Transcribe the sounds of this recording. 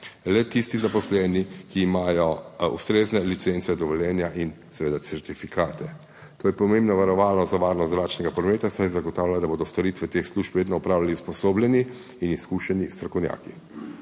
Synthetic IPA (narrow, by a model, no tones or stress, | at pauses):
lɛt̪ist̪izapɔslɛːnikiːmaːjɔṵst̪ɾeːznɛlit̪sent̪sɛd̪ɔʋɔljɛːnjaʔin | sɛʋeːd̪at̪sɛɾt̪ifikʰaːt̪ɛ | t̪oːjɛpɔmembnɔʋaɾɔʋaːlnɔzaʋaːɾnɔst̪zɾaːt͡ʃnɛɡapɾɔmeːt̪asajzaɡɔt̪aːwlʲad̪aboːd̪ɔst̪ɔɾiːt̪ʋɛt̪eːxsluːʃpʋeːd̪nɔupɾaːwlaliuspɔsoːbljɛniː | niskuʃɛnist̪ɾɔkɔwnja̰ːki